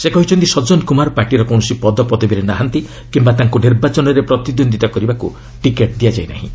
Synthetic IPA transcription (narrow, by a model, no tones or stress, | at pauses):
sekɔɦit͡ʃʰɔnt̪isɔd͡ʒɔnkumaɾpaɾʈiɾɔkɔw̃ɔsipɔd̪ɔpɔd̪ɔbiɾenaɦant̪i | kimbat̪aŋkuniɾbat͡ʃɔnɔɾepɾɔt̪id̪ond̪it̪ɔkɔɾibakṵ | ʈikeʈ̚d̪iad͡ʒajna̰ɦḭ̃